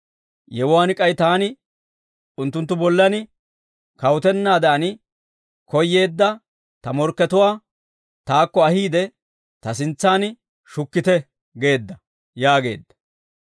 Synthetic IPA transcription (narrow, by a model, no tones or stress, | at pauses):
jɛwʊwaːnɪkʼɐjt̪aːnɪ | ʊnt̪ːʊnt̪ːʊbɔlːɐnɪ | kɐwʊt̪ɛnːaːd̪ɐʔɐnɪ | kɔjːe̞ːd̪ːɐ | t̪ɐmɔɾkːɛt̪ʊwaː | t̪aːkːɔɐhiːd̪ɛ | t̪ɐsɪnt͡sːaːnɪ | ʃʊkːɪt̪ɛ | ɡe̞ːd̪ːɐ | jaːɡe̞̰ːd̪ːɐ̥